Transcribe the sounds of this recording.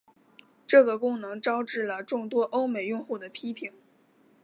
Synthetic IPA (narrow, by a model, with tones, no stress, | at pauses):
ʈ͡ʂɤ˥˩ɡə˩kʊ˥ŋnɤ˧˥ŋʈ͡ʂɑ˥ʊʈ͡ʂɻ̩˥˩lə˩ʈ͡ʂʊ˥˩ŋt̪wɔ˥ʔo˥ʊme˨˩ɪjʊ˥˧ŋxu˥˩d̪ə˩pʰi˥pʰi˨˩˦ŋ